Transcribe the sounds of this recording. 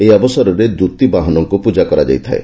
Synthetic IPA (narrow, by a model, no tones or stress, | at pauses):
ejabɔsɔɾɔɾed̪ut̪ibaɦɔnɔŋkupud͡ʒakɔɾad͡ʒa̰jt̪ʰa̰e